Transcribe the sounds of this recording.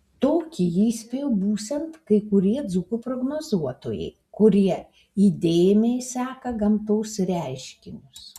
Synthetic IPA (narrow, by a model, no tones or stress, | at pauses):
t̪oːkʲɪjiːsʲpʲejʊbuːsʲɛnt̪kɐɪkʊɾʲiɛd̪zukupɾoɡnoːzuɔt̪o̰ːjɛ̰ɪ | kʊɾʲiɛ | iːd̪ʲeːjɪmʲejsɑːkɐɡɐmt̪oːsɾʲæɪʃʲkʲɪnʲʊs